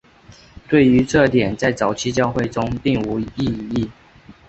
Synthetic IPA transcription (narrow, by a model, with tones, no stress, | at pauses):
t̪we˥˩ɪy˧˥ʈ͡ʂɤ˥˧˩t̪jɛ˨˩nt͡sa˥˩ɪt͡sɑ˨˩ʊt͡ɕʰi˥t͡ɕjɑ˥˧ʊxwe˥˨ɪʈ͡ʂʊ˥ŋpi˥˨˩ŋu˧˥i˥˨i˥˩